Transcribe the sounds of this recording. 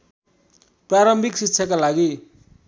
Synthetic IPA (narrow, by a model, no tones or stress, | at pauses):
praɾʌmbʱiksikt͡ssʰʌkalaɡi